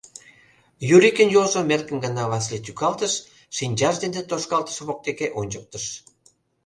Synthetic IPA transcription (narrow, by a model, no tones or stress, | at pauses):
juɾʲikʲənjolʒomerkə̆nɡɑnɑβɑslet̪ykɑlt̪əʃ | ʃinʲd͡ʑɑʒd̪end̪et̪oʃkɑlt̪ə̥ʃβok̚t̪ekeʔonʲd͡ʑək̚t̪ə̆ʃ